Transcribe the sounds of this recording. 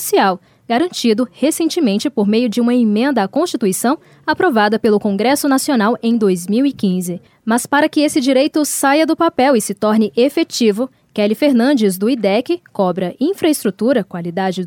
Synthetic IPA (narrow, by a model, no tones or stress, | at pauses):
siaw | ɡaɾɐ̃nt͡ʃid̪ʊhesẽnt͡ʃɪmẽnt͡ʃɪpoɾmejʊd͡ʒɪũmɐemẽnd̪ɐːkõst͡ʃit̪uisɐ̃w̃ | apɾovad̪ɐpelʊkõɡɾɛsʊnasionawʔẽj̃d̪ojzmiwikĩzɪ | mɐspaɾɐkɪesɪd͡ʒiɾejt̪ʊsajɐd̪ʊpapɛwɪsɪt̪ɔɾnɪʔefet͡ʃivʊ | kɛlɪfeɾnɐ̃nd͡ʒɪzd̪ʊid̪ɛkɪkɔbɾɐʔĩfɾɐɪst̪ɾut̪uɾɐkwalid̪ad͡ʒɪ